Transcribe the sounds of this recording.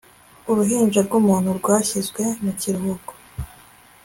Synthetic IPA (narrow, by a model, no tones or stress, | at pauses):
uɾuɦiːnd͡ʒaɾɡumuːn̥huɾɡwaːçizɡwe̞muciɾuɦuɡo̥